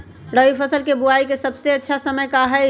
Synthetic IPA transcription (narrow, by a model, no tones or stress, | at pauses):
ɽəʋipʰəsəlkebuaːikesəbseɐtːʃʰasəməjkaɦɛ